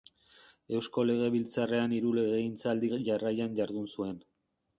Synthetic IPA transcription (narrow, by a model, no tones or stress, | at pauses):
e̞wsko̞le̞ɣ̞e̞βilt͡sare̞aniɾule̞ɣe̞int͡sald̪iʝarajanʝaɾðunsue̞n